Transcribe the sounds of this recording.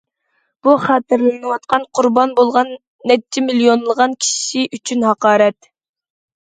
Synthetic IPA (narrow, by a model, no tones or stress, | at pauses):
b̥uχɑːt̪ɪɾlɪnɨwɑt̪qɑnqʰʊɾbɑnbolˠʁɑnː | ɛt͡ʃʰːɛmilijonlˠəʁɑnkʲʰi̥ʃiʔyt͡ʃʰynhɑqɑːɾɛt̪